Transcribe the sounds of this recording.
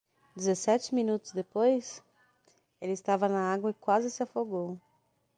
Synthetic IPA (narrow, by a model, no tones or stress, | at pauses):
d͡ʒɪzesɛt͡ʃɪmĩnut̪ʊzd̪epojs | elɪst̪avɐnɐaɡwɐɪkwazɪsɪafoɡow